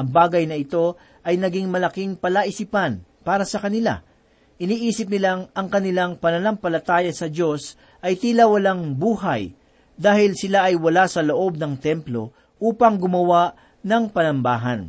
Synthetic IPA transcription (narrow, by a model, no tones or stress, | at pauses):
ʔɐŋbaːɡɐjnɐɪt̪o̞ | ʔɐjnɐɡiŋmɐlɐkiŋpɐlaʔɪsipɐnpaːɾɐsɐkɐnɪla̰ | ʔɪniːʔiːsɪp̚nɪlaŋʔɐŋkɐnɪlaŋpɐnɐnɐŋpɐlɐt̪aːjɐsɐd͡ʒo̞s | ʔɐjt̪iːlɐwɐlaŋbuːɦɐj | d̪aːhɪlsɪlaʔɐjwɐlasɐlo̞ʔo̞b̚nɐŋt̪ɛmplo̞̰ | ʔuːpɐŋɡʊmɐwaʔ | nɐŋpɐnɐmbaːɦɐ̰n